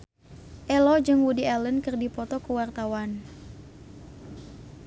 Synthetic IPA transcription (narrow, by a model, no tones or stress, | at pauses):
ʔɛlɔd͡ʒɨŋwudialənkɨrdipɔt̪ɔkuwart̪awan